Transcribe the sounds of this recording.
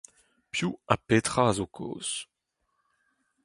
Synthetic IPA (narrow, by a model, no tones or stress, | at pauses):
pjuapet̪χazokʰo̰ːs